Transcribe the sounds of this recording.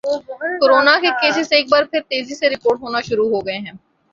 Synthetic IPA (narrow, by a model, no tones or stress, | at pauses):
koɾoːnakekeːsɪseːk̚baːɾpʰɪɾt̪eːziseɾɪpoːɾʈɦoːnaʃʊɾuɦoɡɐeɦɛ̃ː